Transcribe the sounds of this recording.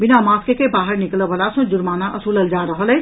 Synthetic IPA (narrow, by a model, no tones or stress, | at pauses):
bɪnamaːskekebaːɦəɾnɪkləbʱəlasɔ̃d͡ʒʊɾmaːnaʔəsuləld͡ʒaɾəɦəlɛ